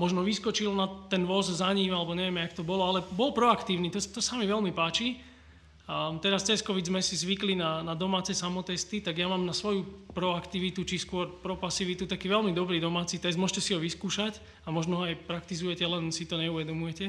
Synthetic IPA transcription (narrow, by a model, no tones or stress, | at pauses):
mɔʒnɔʋiskɔt͡ʃilnat̪ːɛnʋɔzzaɲimalɛbɔɲɛʋɪɛmɛakt̪ɔbɔlɔalɛbɔlpɾɔakt̪iːʊniːt̪ɔt̪ɔsamiʋɛlmipaːt͡ʃi | t̪ɛɾast͡sɛskɔʋizmɛsizʋiklinanad̪ɔmaːt͡sɛsamɔt̪ɛst̪it̪aɡjamaːmnasʋɔjupɾɔakt̪iʋit̪ut͡ʃiskʊɔɾpɾɔpasiʋit̪ut̪akiːʋɛlmid̪ɔbɾiːd̪ɔmaːt͡sit̪ɛszd̪mɔʒʃɛcɛsiɦɔʋiskuːʃac | amɔʒnɔɦɔajpɾakt̪izujɛcɛlɛnsit̪ɔɲɛuʋɛd̪ɔmujɛcɛ